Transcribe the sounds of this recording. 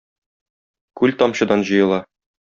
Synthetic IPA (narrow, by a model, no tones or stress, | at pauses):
kʉlt̪ɒmɕɤ̆d̪ɑnʑɤ̆jɤ̆lˠɑ